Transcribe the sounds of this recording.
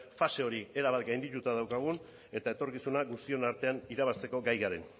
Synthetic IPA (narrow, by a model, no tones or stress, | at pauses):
fase̞o̞ɾie̞ɾaβ̞at̪ɡajnd̪it̪ut̪aðawkaɣ̞un | e̞t̪ae̞t̪o̞ɾkisunaɣust̪io̞naɾt̪e̞aniɾaβast̪e̞ko̞ɡajɣaɾe̞̰n